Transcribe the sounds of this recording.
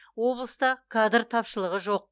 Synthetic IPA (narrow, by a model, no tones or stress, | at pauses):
wo̞blˠəst̪ɑkʰad̪ɾt̪ʰɑpʃəlˠəʁəʒo̞q̚